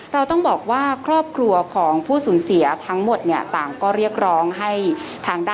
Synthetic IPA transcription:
ɾa˧wt̪ɔ˥˩ŋbɔː˨˩k̚waː˥˩kʰɾɔː˥˩p̚kʰɾu˧ɐkʰɔː˩˦ŋpʰuː˥˩suː˩˦nsi˩˦ɐt̪ʰa˦˥ŋmo˨˩t̪̚ni˥˩ət̪aː˨˩mkɔː˥˩ɾi˥˩ək̚ɾɔː˦˥ŋɦa˥˩jt̪ʰaː˧ŋda˥

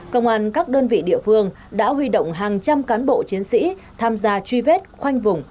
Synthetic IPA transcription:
kə̰˧wŋ͡mʔaː˧nkaː˦˥k̚ɗəː˧nvḭ˧˨ɗḭ˧˨əfɨ˧əŋ | ɗa̰ː˧˥ɦwi˧ɗə̰˧˨wŋ͡mɦaː˨˩ŋt͡ɕa˧mkaː˨˦nɓo̰˧˨t͡ɕi˨˦ənsḭ˧˥ | t̪ʰaː˧mzaː˧t͡ɕwi˧ve˦˥t̚xwa˧jŋ̟vʊ˨˩ŋ͡m

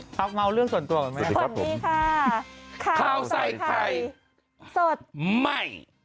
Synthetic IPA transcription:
pʰa˦˥k̚ma˧wɾɯ˥˩əŋsu˨˩ənt̪u˧ɐkɔ˨˩nma˦˥so˨˧˩diː˧kʰa˥˩kʰaː˧˩wsa˧˩jkʰa˧˩j | so˨˩t̪̚ma˥˩j

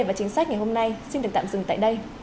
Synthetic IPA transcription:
jvaː˨˩t͡ɕï˨˦ŋ̟saː˦˥k̟̚ŋa˨˩ho˧mna˧jsi˧nɨ˨˩k̚t̪ːmzɨ˨˧˩ŋt̪a̰ː˧˨jɗə˧j

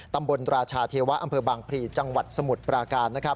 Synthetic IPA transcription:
t̪a˧mbo˧nɾaː˧t͡ɕʰaː˧t̪ʰeː˧wa˦˥ʔa˧mpʰɤː˧baː˧ŋpʰɾiː˧t͡ɕa˧ŋwa˨˩t̪̚sa˧mu˨˩t̪̚pɾaː˧kaː˧nːa˦˥kʰɾa˦˥p̚

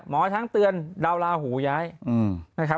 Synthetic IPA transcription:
mɔː˩˦t͡ɕʰa˦˥ŋt̪ɯ˧ənda˧wlaː˧huː˩˦jaː˦˥jʔɯː˧˩mna˦˥kʰa˦˥

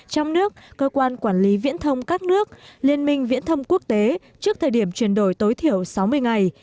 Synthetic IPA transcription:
t͡ɕɔ˧wŋ͡mnɨ˦˥ək̚kəː˧kwaː˧nkwaː˧˩nli˨˦vḭ˧˥ənt̪ʰə˧wŋ͡mkaː˦˥k̚nɨ˦˥ək̚li˧ənmï˧ŋ̟vḭ˧˥ənt̪ʰə˧wŋ͡mku˦˥ək̚t̪e˨˦ | t͡ɕɨ˦˥ək̚t̪ʰəː˨˩ɗi˧˩əmt͡ɕwi˧˩ənɗo˧˩jt̪o˨˦jt̪ʰi˧˩˨əwsa˨˦wmɨ˧əjŋa˨˩j

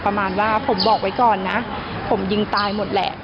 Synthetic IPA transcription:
pɾa˧maː˧nwaː˥˩pʰo˩˦mbɔː˨˩k̚wa˦˥jkɔː˨˩nːa˦˥ | pʰo˩˦mji˧ŋt̪aː˧jmo˨˩t̪̚lɛ̰˨˩ʔ

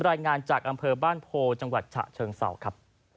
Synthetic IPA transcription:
ɾaː˧jŋaː˧nt͡ɕaː˨˩k̚ʔa˧mpʰɤː˧baː˥˩npʰoː˧t͡ɕa˧ŋwa˨˩t̪̚t͡ɕʰa̰˨˩ʔt͡ɕʰɤː˧ŋsa̰˩˦wkʰɾa˦˥p̚

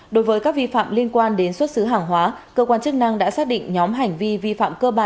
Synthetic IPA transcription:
ɗo˨˦jvəː˨˦jkaː˦˥k̚vi˧fa̰ː˧˨mli˧ənkwaː˧nɗe˨˦nswə˦˥t̚sɨ˨˦ɦaː˨˩ŋɦwaː˨˦kəː˧kwaː˧nt͡ɕɨ˦˥k̚na˧ŋɗa̰ː˧˥saː˦˥k̚ɗḭ˧˨ŋɲɔ˨˦mɦa˨˩jŋ̟vi˧vi˧fa̰ː˧˨mkəː˧ɓaː˧˩n

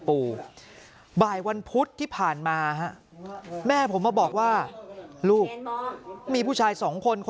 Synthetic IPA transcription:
puː˧ | baː˨˩jwa˧npʰu˦˥t̪ʰːiː˥˩pʰaː˨˩nmaː˧ɦa˦˥ʔ | mɛː˥˩pʰo˩˦mːaː˧˩bɔː˨˩k̚waː˥˩luː˥˩k̚ | miː˧pʰuː˥˩aː˧jsɔː˩˦ŋkʰo˧nkʰo˧

